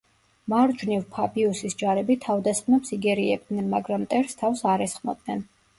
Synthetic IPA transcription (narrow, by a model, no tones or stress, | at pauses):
maɾd͡ʒnivpʰabiusisd͡ʒaɾɛbit̪ʰavd̪asχnɔpsiɡɛɾiɛb̚d̪nɛnmaɡɾamt̪ʼɛɾst̪ʰafsaɾɛsχmɔ̰d̪nɛn